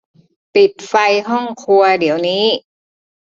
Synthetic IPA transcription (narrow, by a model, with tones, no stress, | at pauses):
pi˨˩t̪̚fa˧jɦɔ˥˩ŋkʰu˧ɐdi˩˦əwniː˦˥